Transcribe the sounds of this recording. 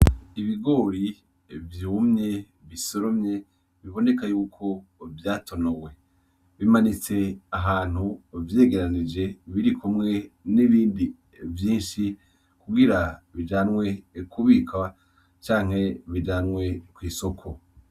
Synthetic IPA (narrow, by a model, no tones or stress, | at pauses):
iβiɡo̞ːɾi | vjumɲe̞ | βisoɾo̞mɲe̞ | βiβo̞ne̞kajuːkʰo̞vjaːtʰo̞nowe̞ | βimanit͡se̞aɦaːn̥huvje̞ːɡe̞ɾanid͡ʒe̞βiɾikʰumŋe̞niβiːndi | vjiːnʃi | kuɡiɾaβid͡ʒaːnŋwe̞kʰuβika | t͡ʃaːŋ̥he̞βid͡ʒaːnŋwe̞kwiːso̞kʰo̞